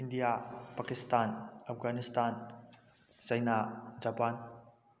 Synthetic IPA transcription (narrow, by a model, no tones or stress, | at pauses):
indijapakistanap̚ɡanistʰan | sajnad͡ʒapan